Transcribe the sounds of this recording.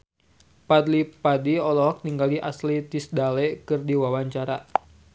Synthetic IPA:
pad̪lipadiɔlɔk̚niŋɡaliʔa̰slit̪isdalɛkɨrdiwawaɲt͡ʃaɾa

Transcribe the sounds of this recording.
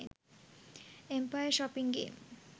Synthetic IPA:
empajəʃɔpiŋɡḛːm

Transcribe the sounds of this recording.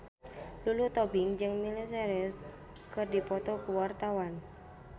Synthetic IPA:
lulut̪ɔbɪŋd͡ʒɨŋmilis̬eɾʊs | kɨrdipɔt̪ɔkuwart̪awan

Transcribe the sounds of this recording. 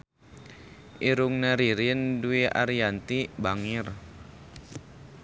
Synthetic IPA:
ʔiɾuŋnaɾiɾinduiʔa̰ɾiant̪ibaŋɪr

